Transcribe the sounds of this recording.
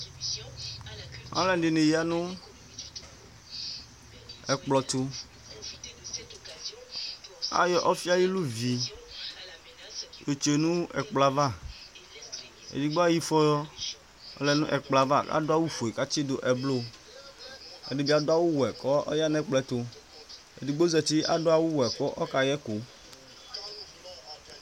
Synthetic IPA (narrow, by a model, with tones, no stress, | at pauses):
ã̰˦lɛ˦˨ɖe˨ne˨ji˨˦a˦nũ˦ | ɛ˨k͡plɔ˨t̪u˦ | a̰˦jɔ˦˨ʔɔ˦fi˦a˦ji˦lu˦vi˨ | jo˨t͡ʃe˨nũ˦ɛ˨k͡pla˨va˦˨ | ḛ˨di˨ɡ͡bo˦a˦ji˦fɔ˦jɔ˦ | ɔ̰˨lɛ˨nṵ̃˦ʔɛ˨k͡pla˨va˦˨ka̰˦do˦a˦wu˦fo˨i˨ka˦t͡ʃi˦do˨ʔɛ˨blo˦ | ḛ˨di˨bi˦a˨do˦a˦wu˦wɛ˨kɔ˦ɔ̰˦ja˦nɛ̃˦k͡plɛ˨t̪o˦ | ḛ˨di˨ɡ͡bo˦zɛ˨t̪i˦ʔa˨do˦a˦wu˦wɛ˨kɔ˦ʔɔ˦ka˨jɛ˦ko˨